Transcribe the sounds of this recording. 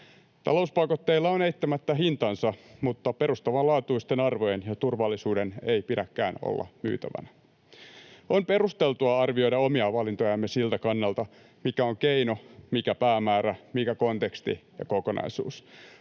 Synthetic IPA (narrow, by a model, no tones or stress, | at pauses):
t̪ɑ̰lo̞uspɑikot̪ːeilːɑoneit̪ːæmæt̪ːæɦint̪ɑnsɑmut̪ːɑpe̞rust̪ɑʋɑlɑːt̪uist̪enɑrʋojenjɑt̪urʋɑlːisuːdenejpiɾækːæ̰ːno̰lːɑ̰my̰ːt̪æʋæ̰næ | onpe̞ɾust̪elt̪uɑɑrʋio̞jdɑomiɑʋɑlint̪ojɑmːesilt̪ækɑnːɑlt̪ɑ | mikæoŋkeino̞mikæpæːmæːɾæmikæko̞nt̪ekst̪ḭjɑ̰koko̞nɑ̰isṵːs